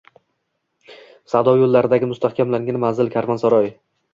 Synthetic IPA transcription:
sad̪ɒwjolˠːaɾɪd̪aɡʲɪmʊst̪ahkʲʰamlaŋʲanmanzɪlkʲʰaɾmansaɾɒj

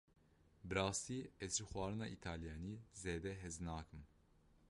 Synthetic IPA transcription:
bɾaːsiɛzɾixuaːɾɯnaʔit̪ʰaljanizeːd̪ɛɦɛznaːkʰɯm

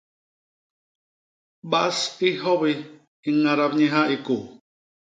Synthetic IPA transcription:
baʔsiɦoβi | iŋaɾabɲiɦaʔiku

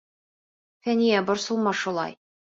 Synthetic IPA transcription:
fænijæbŏɾsɤ̆lˠmɑʃulˠɑ̰j

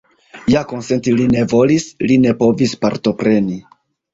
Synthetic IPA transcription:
jako̞nse̞ntiline̞vo̞lisline̞po̞vispaɾto̞pɾe̞ni

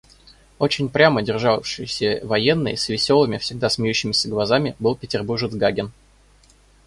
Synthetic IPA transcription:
o̞t͡ɕɪnʲpɾʲamədʲɪrʐafʂɨjɪsʲəvɐjenːɨ̰jsvʲɪsʲo̞lˠɨmʲɪfsʲɪɡ̚d̪asmʲɪjʉɕːɪmʲɪsʲəɡlˠɐzamʲɪbɨlˠpʲɪtʲɪrburʐəd̪zɡaɡʲɪn

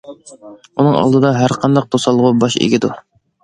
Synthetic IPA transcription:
unɨŋɑ̰lˠd̪ɨd̪ɑɦæɾqʰɑnd̪ɑq̚d̪osɑlˠːʁʊbɑʃḛɡʲɪd̪u

